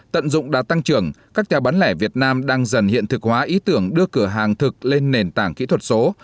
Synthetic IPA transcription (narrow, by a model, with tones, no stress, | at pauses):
t̪ə̰˧˨nzʊ̰˧˨ŋ͡mɗaː˧˩t̪a˧ŋt͡ɕɨ˨˧˩əŋkaː˦˥k̚t͡ɕaː˨˩wɓaː˨˦nlɛ˧˩vi˨˩ət̚naː˧mɗaː˧ŋzə˨˩nhḭ˧˨ənt̪ʰɨ˨˩k̚hwaː˨˦ʔi˨˦t̪ɨ˧˩əŋɗɨ˧əkɨ˧˩əɦaː˨˩ŋt̪ʰɨ˨˩k̚le˧nːe˨˩nt̪aː˧˩ŋkḭ˧˥t̪ʰwə˨˩t̚so˨˦